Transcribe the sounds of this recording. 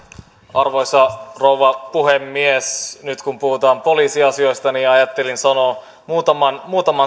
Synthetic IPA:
ɑrʋo̞jsɑrowʋɑpuɦemːiesnyt̪kumpuhut̪ɑːmpo̞liːsiɑsio̞jst̪ɑniːɑjɑt̪ːelinsɑno | muːt̪ɑmɑnmuːt̪ɑmɑ

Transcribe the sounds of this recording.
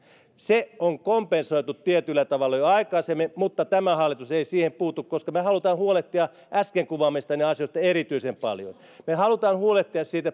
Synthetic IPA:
seoŋkompensoit̪ut̪t̪iet̪ylːæt̪ɑʋɑlːɑjoɑikɑːsemːimut̪ːɑt̪æmæhɑlːˑit̪useisiːhempuːt̪ukkoskɑmehɑlut̪ɑːnhuoleht̪ːiɑ | ʔæskeŋkuʋɑmist̪ɑneɑsiost̪ɑerit̪yisempɑ̰ljo̰n | mehɑlut̪ɑːnhuoleht̪ːˑiɑssiːt̪æ

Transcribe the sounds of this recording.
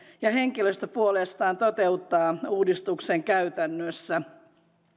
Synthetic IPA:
jɑheŋkiløst̪øpuolest̪ɑːnt̪ot̪eut̪ːɑːuːdist̪ukseŋkæyt̪ænːøsːæ

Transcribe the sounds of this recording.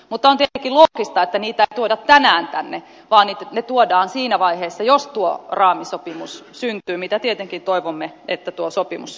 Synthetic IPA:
mut̪ːɑont̪iet̪eŋkːˑilokist̪ɑet̪ːæniːt̪æeit̪uodɑt̪t̪ːænæːnt̪ænːe | ʋɑːnniːt̪ænet̪uodɑːnsiːnæʋɑiheːsːɑjost̪uorɑːmisopimussynt̪yːmit̪æt̪iet̪eŋkint̪oiʋomːe | et̪ːæt̪uosopimṵs

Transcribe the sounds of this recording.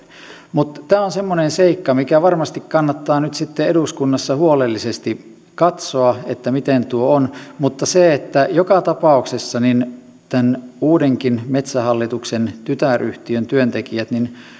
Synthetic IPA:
mut̪t̪æːonsemːonenseikːɑmikæʋɑrmɑst̪ikkɑnːɑt̪ːɑːnyt̪sit̪ːeeduskunːɑsːɑhuolelːisest̪i | kɑt̪soɑet̪ːæmit̪ent̪uoonmut̪ːɑseet̪ːæjokɑt̪ɑpɑˑuksesːɑnin | t̪ænuːdeŋkinmet̪sæhɑlːit̪uksent̪yt̪æryht̪iønt̪yønt̪ekiæt̪nin

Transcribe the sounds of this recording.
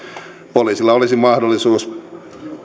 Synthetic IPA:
poliːsilːɑolisimɑhdolːˑisuːs

